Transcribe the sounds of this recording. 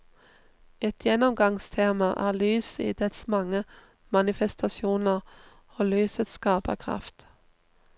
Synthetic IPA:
ɛt̪ʰjɛnɔmɡɑŋst̪ʰeːmɑʔæːʁlyːsḭːd̪ɛt̪smɑŋə | mɑnɪfɛst̪ɑsjuːnəʁ | oːlyːsət̪skɑːpə̰kʰʁɑ̰ft̪

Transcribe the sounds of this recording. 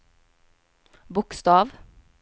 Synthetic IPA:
bʊkst̪ɑːʋ

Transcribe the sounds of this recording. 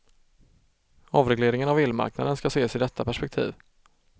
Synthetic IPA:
ɑvɾɛɡleːɾɪŋənavɪlma̰ɾkna̰d̪ənskaseːsɪd̪ɛt̪ʰːapæʂpɛk̚t̪ʰḭːv

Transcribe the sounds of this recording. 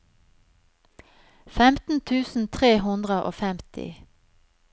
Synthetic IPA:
fɛmt̪n̩t̪ʰʉːsn̩t̪ʰʁeːɦʊnd̪ʁəʔo̰ːfɛmt̪ʰɪ̰

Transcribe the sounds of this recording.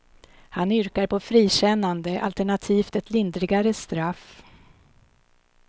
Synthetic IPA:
hanʏɾkaɾpʰɔfɾiːɕɛnːand̪əʔa̰lt̪ɛɳat̪ʰiːft̪ɛt̪lɪnd̪ɾɪɡaɾəst̪ɾaf

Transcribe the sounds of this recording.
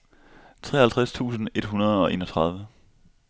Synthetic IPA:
t͡sʰʁɛ̰ːhælt͡sʰʁæst͡sʰṵːsn̩e̝d̥ɦunɐð̞ˠɒ̽ʔe̝̰ːnɒ̽t͡sʰʁɑ̈ð̞ˠʋə

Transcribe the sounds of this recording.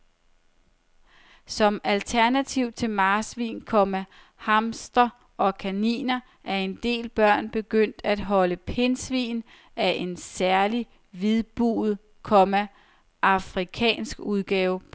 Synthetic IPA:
sɒ̽mælt͡sʰæɐnæt͡sʰiʊ̰t͡sʰe̝lmɑ̈ːsʋḭːnkʰɒ̽mæ | hɑ̈msd̥ɐ | ʔɒ̽kʰænḭːnɐ | ʔæɐe̝nd̥e̝̰ːlb̥ɶɐ̰nb̥e̝ɡ̥øn̰d̥æd̥ɦɒ̽ləpʰe̝nsʋḭːn | ʔæʔe̝nsæɐli | ʋiðˠb̥ṵːð̩ˠ | kʰɒ̽mæ | ʔɑ̈fʁikʰɛ̰ːnsɡ̥uð̞ˠɡ̥ɛːʊ

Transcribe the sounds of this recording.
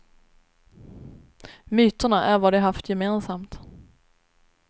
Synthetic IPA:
myːt̪əɳaʔæɾvaɖɛɦaft̪ʰjɛmeːnsamt̪

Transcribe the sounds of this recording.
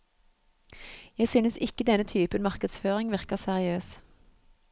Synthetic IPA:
jæɪsynəsɪkəd̪ɛnət̪ʰyːpənmɑʁkəd̪sføːʁɪŋʋɪʁkəʁsæʁɪøːs

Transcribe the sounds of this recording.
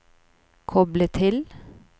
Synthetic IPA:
kʰɔblət̪ʰɪl

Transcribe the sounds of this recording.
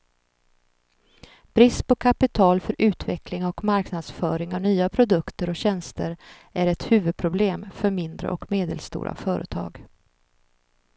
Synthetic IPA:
b̥ɾɪspɔkʰapɪt̪ʰɑːlfœɾʔʉ̟ːt̪vɛ̰klɪŋɔkmaɾknad̪sfœːɾɪŋavnyːapʰɾʊd̪ɵkt̪əɾɔkɕɛnst̪əɾ | ʔæɾɛt̪hʉ̟ːvɵd̪̚pʰɾʊbleːmfœɾmɪnd̪ɾə̰ʔɔkmeːd̪ə̰lst̪ṵːɾʔa̰fœːɾə̰t̪ʰɑ̰ːɡ

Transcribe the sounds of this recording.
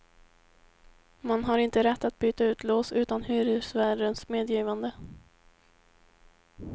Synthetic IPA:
manɦaɾɪnt̪əɾɛt̪ːat̪̚byːt̪aʉ̟ːt̪ʰloːsʉ̟ːt̪anhʉːɾɪsvæɖənsmeːd̪jiːvand̪ə

